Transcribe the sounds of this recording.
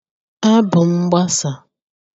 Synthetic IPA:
a˦bʊ˨m̩˦ɡ͡ba˦sa˨

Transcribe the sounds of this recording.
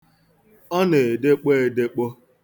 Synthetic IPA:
ɔ˦ne˨de˦k͡po˦e˨de˦k͡po˦

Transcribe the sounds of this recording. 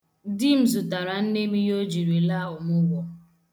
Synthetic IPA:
di˦m̩˦zʊ˨ta˨ɾa˨n̩˦ne˦mi˦jo˦d͡ʒi˨ɾi˨la˦ʊ˨mʊ˦ɡʷɔ˦

